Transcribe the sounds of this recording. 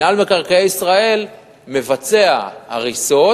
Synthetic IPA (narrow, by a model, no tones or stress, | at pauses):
almekaʁkaejisʁae̞l | me̞vat͡se̞ahaʁiso̞